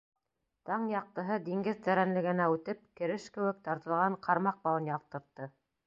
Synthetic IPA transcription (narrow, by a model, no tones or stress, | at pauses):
t̪ɑɴjɑq̚t̪ɤ̆ɦɤd̪iŋɡɘðt̪æɾænlɘ̆ɡɘ̆næʉt̪ɘp̚kɘ̆ɾɘʃkɘ̆wɘ̆k̚t̪ɑɾt̪ɤ̆lˠʁɑɴqʰɑɾmɑq̚bɑlˠɤ̆njɑq̚t̪ɤ̆ɾt̪ːɤ